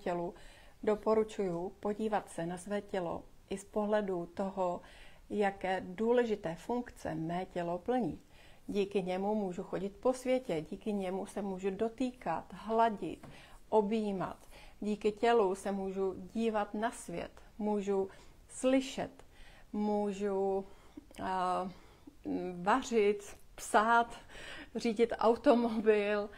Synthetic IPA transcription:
ucɛlu | do̞po̞ɾut͡ʃujupo̞ɟiːvat̪sɛnasvɛːcɛlo̰ | ʔɪspo̞ɦlɛdut̪o̞ɦojakɛːduːlɛʒɪt̪ɛːfuŋkt͡sɛ̰mɛːcɛlo̞pl̩ɲiː | ɟiːkɪɲɛmumuːʒuxo̞ɟɪt̪̚po̞svjɛcɛɟiːkɪɲɛmusɛmuːʒudo̞t̪iːkat̪ɦlaɟɪ̰t̪ʔobjiːma̰t̪ɟiːkɪcɛlusɛmuːʒuɟiːvat̪nasvjɛ̰t̪muːʒu | slɪʃɛ̰t̪muːʒu | varɪt̪psat̪r̝iːɟɪt̪ʔa̰wt̪o̞mobɪl

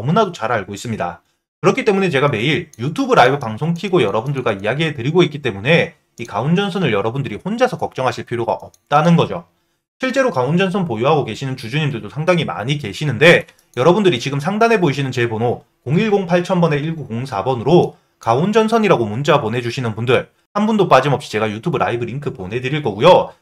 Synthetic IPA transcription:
ʌmunadot͡ɕaɾaɭɡois͈ɯmɲida̰ | kɯɾʌkʰit͈e̞mune̞t͡ɕe̞ɡame̞iɾjutʰubɯɾaibɯpaŋsʰoŋkʰiɡojʌɾʌbundɯɭɡwaijaɡiɦe̞tɯɾiɡoik͈it͈e̞mune̞ | ikaund͡ʑʌnsʰʌnɯɭjʌɾʌbundɯɾihond͡ʑasʰʌkʌk̚t͡ɕ͈ʌŋɦaɕʰiɭpʰiɾjoɡa̰ʔʌp̚t͈anɯnɡʌd͡ʑo | ɕʰiɭt͡ɕ͈e̞ɾokaund͡ʑʌnsʰʌnpojuɦaɡoke̞ɕʰinɯnt͡ɕud͡ʑuɲimdɯɭdosʰaŋdaŋima̰ɲike̞ɕʰinɯnde̞ | jʌɾʌbundɯɾit͡ɕiɡɯmsʰaŋdanɦe̞boiɕ̬ʰinɯnt͡ɕe̞bono | koŋiɭɡoŋpʰaɭt͡ɕʰʌnbʌne̞iɭɡukoŋsʰabʌnɯɾo | kaund͡ʑʌnsʰʌɲiɾaɡomunt͡ɕ͈aponɦe̞d͡ʑuɕʰinɯnpundɯɭ | hanbundop͈ad͡ʑimʌp̚ɕ͈i̥t͡ɕe̞ɡajutʰubɯɾʔa̰ibɯɾiŋkʰɯponɦe̞dɯɾiɭk͈ʌɡujo

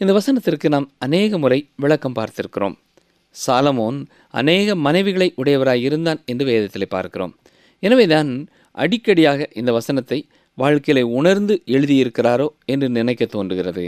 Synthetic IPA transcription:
ɪnd̪ɐʋɐsɐnɐt̪ːɪrkɯnaːmɐneːɣɐmʊɾɐɪʋɪɭɐkːɐmpaːɾt̪ɪɾɯkːɪɾo̰ːm | saːlɐmoːn | ɐ̰neːɣɐmɐnɐɪʋɪɣɐɭɐɪʔʊɽɐjɐʋɐɾaːjɪɾɯnd̪aːnɛndrɯʋeːðɐt̪ːɪlɐɪpːa̰ːɾkɪro̰ːm | ɛnɐʋeːt̪aːn | ʔɐ̰ɽɪkːɐɽɪjaːɣɐʔɪnd̪ɐʋɐsɐnɐt̪ːɐɪ | ʋaːɻkɐɪjɪlɐɪʊɳɐɾnd̪ɯʔɛɻɯðɪjɪɾɯkːɪraːɾoːɛndrɯnɪnɐɪkːɐt̪ːoːndrɯɣɪrɐðɯ̰

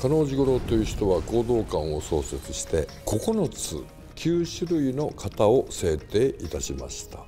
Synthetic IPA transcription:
kano̞ːʑiɡo̞ɾo̞t̪o̞jɯ̟çi̥t̪o̞βako̞ːd̪o̞ːkãɰ̃o̞so̞ːse̞t͡sɨ̥ɕi̥t̪e̞ | kʰo̞ko̞no̞t͡sɨ̰ | kʲʰɨːɕɨɾɯ̟ino̞kʰat̪ao̞se̞ːt̪e̞ːʔit̪aɕima̰ɕi̥t̪a

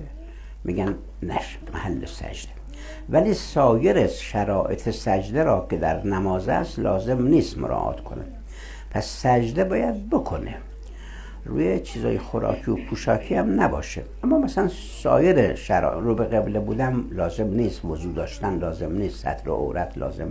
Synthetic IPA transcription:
mʔiɡæn | næ̰ʃ | mʔæhælːesæ̰d͡ʒd̪̥e̥ | væliːsɒːjeɾesʃæɾɒːʔet̪ʰesæd͡ʒd̪eɾɒːkʰed̪æɾnæmɒːzæ̰st̪lɒːze̞mniːst̪moɾʔɒ̰ːʔɒ̰ːt̪ʰkʰo̞̰nḛ | pʰæsːæd͡ʒd̪ebɒːjæd̪̚bokʰone | ɾuːjet͡ʃʰiːzɒ̰ːjexoɾɒ̰ːkʰijopʰuːʃɒːkʰiːhæmnæbɒːʃeʔæmːɒːmæsælæn | sɒ̰ːje̞ɾeʃæɾɾubeɣeblebuːd̪æmlɒːze̞mniːst̪vozuːd̪ɒːʃt̪ænlɒːzemniːst̪sæ̰t̪ʰɾo̰ʔo̰ɾʔæt̪ʰlɒ̰ːzḛm

